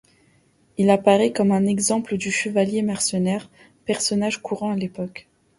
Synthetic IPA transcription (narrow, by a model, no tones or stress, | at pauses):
ilapaʁɛkɔmɛ̃nɛɡzɑ̃pləd̪yʃəvaljemɛʁsənɛʁ | pɛʁsɔnaʒkuʁɑ̃alepɔk